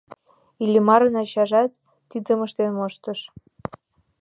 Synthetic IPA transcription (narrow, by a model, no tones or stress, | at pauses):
ilʲimɑɾənɑɕɑʒɑt̪ː | id̪ə̆mə̆ʃt̪enmoʃt̪ə̆ʃ